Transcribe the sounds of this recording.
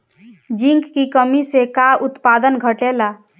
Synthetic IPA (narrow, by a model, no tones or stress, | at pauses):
d͡ʒiŋkːikəmisekaut̪pad̪ənɡʱəʈela